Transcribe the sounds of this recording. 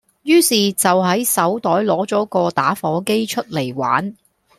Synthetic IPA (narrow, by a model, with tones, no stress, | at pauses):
jyː˥siː˨t͡sɐ˨wɦɐ˨˥jsɐ˨˥wt̪ɔː˨˥jlɔː˨˥t͡sɔː˨˥kɔː˧t̪aː˨˥fɔː˨˥ke˥jt͡ʃʰɵ˥t̚le˨˩jwa̰ː˨˥n